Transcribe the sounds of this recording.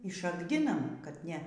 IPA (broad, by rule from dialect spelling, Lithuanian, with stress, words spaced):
ɪ ˈʃɑːɡdʲɪnɐm kɐt ˈnʲɛ